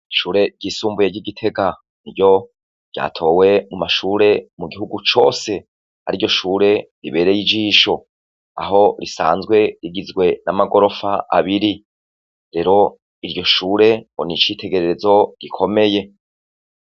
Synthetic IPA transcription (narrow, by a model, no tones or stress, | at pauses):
ʃuːɾe̞ɟ̥isuːmbujeɡɟiɡitʰe̞ɡa | niɾɟo̞̥ | ɟ̥a̰ːtʰo̞ːwe̞mumaʃuːɾe̞muɡihuɡut͡ʃo̞̰ːse̞ | ha̰ɾiɾɟo̞ʃuːɾe̞ɾḭβe̞ːɾe̞jid͡ʒiːʃo̞ | a̰ɦo̞ɾisa̰ːnzɡwe̞ɾiɡizɡwe̞namaɡo̞ɾo̞faʔa̰βiɾi | ɾe̞ɾo̞ | iɾɟo̞ʃuːɾe̞onit͡ʃiːtʰe̞ɡe̞ɾe̞ɾezo̞ɡ̥ikʰo̞me̞je̞